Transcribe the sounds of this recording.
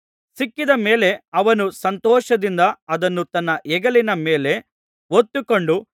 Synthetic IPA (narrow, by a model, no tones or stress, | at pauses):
sikːid̪ɐme̞ːle̞ɐʋɐnusɐnt̪ɔːʃɐd̪ind̪ɐɐd̪ɐnːut̪ɐnːɐʔɛɡɐlinɐmeːle̞ | ot̪ːuko̞ɳɖu